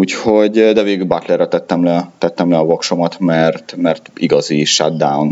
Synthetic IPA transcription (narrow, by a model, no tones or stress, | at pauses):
uːcho̞ɟd̪ɛveːɡylbat̪lɛrːɛt̪ɛt̪ːɛmlɛt̪ɛt̪ːɛmlɛɒvokʃomɒt̪mɛrt̪mɛrt̪iɡɒziʃad̪d̪aun